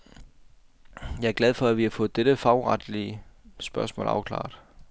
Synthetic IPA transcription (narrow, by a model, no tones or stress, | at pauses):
jɑ̈ɪɐɡlæð̞ˠfɒ̽æʋihɑfɔ̽ːð̩ˠd̥eɾəfɑ̈ʊʁɑd̥liəsb̥ɶɐsmɔ̰lɑ̈ʊkʰlɑ̰̈ːd̥